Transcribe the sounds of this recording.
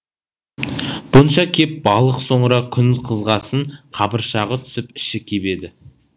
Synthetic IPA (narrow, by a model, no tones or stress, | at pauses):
b̥ʊnʃɑkʲʰe̞p̚bɑlˠəqso̞ɴɾɑkʲʰʏnɪlqʰəzʁɑsəɴqʰɑbəɾʃɑʁət̪ʰʏ̥sɪpɪ̥ʃɪkʲʰe̞be̞d̪ɪ